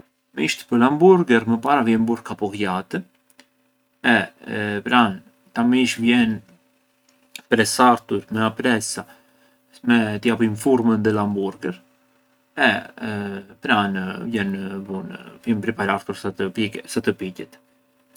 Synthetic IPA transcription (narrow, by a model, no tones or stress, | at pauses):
miʃt̪ə̥pəɾlambuɾɡɛɾməpaɾavjɛmbuɾkapɔkjat̪ə | ɛpɾan | t̪amiʃvjɛn | pɾɛsaɾt̪uɾmɛapɾɛsa | mɛt̪əjapimfuɾmənðɛlambuɾɡɛɾ | ɛ | pɾanvjɛnvunvjɛnpɾipaɾaɾt̪uɾsisat̪əpicɛt̪